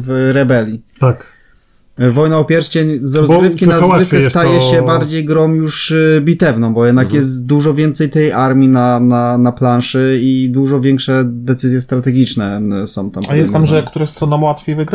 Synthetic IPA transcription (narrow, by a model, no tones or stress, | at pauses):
vɾɛbɛlʲit̪ak | vɔjnaɔpʲjɛɾʃt͡ɕeɲzɾɔzɡɾɘfkkʲinaɾɔzɡɾɪfkɛst̪ajɛɕɛbaɾd͡ʑejɡɾɔ̃mjuʂbʲit̪ɛvnɔ̃w̃bɔjɛd̪nakjɛst̪d̪uʐɔvʲjɛnt̪sɛjt̪ɛjʔaɾmʲinananaplanʂɘid̪uʐɔvʲjɛŋkʂɛd̪ɛt̪sɘzʲjɛst̪ɾat̪ɛɡʲit͡ʂnɛsɔ̃w̃t̪amajɛst̪amʐɛkt̪uɾɛst̪ɔnamwat̪fʲejvɨɡɾ